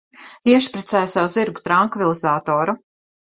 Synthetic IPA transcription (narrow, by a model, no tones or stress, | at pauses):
iɛʃpɾɛt̪sɛjsawuziɾɡu̥t̪ɾaŋkvilˠizaːt̪ɔːɾu